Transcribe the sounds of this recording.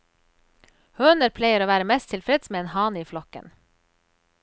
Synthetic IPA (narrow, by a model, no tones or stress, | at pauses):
høːnəɾpʰlæɪəɾoːʋæːɾəmɛst̪ʰɪlfɾɛd̪smeːeːnhɑːniːflɔkə̰n